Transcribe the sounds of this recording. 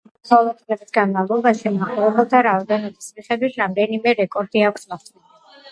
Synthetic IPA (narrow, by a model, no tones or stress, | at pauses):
ɔlˠɔd̪mɛzisɡanmavlˠɔbaʃimaχɔlˠɔbɛlˠt̪ʰaɾaɔd̪ɛnɔbismiχɛd̪wit̪ʰɾamd̪ɛnimɛɾɛkʼɔɾd̪iakʷʰsmɔχt̪ʼɛ